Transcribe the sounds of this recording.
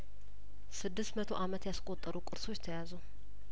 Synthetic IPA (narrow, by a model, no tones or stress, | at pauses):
sɨd̪ːɨst̪mət̪ʰo̞ʔamət̪jaskʼo̞t̪ʼːəɾukʼɨɾso̞t͡ʃːt̪ʰəjazu